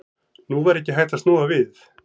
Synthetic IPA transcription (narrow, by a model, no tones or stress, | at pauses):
nuvajɾɛcːɪɦajht̪ast̪nuːavɪθ